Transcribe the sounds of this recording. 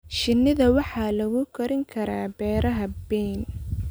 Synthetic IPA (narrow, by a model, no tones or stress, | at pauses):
ʃɪnːɪðɐwɑħɑːlɐɣʊkʰɐɾɪŋkʰɐɾaːbɛːɾɐɦɐbɛːn